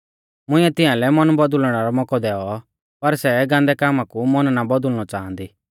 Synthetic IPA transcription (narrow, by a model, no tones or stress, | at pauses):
mʊ̃ɪ̃ɛt̪ɪãlɛmɔnbɔd̪ʊlɽ̃aɾɔmɔkɔd̪ɛːɔ | pɐɾsɛɡãːnd̪ɛkaːmãkumɔnnabɔd̪ʊlnɔt͡ʃãːnd̪iː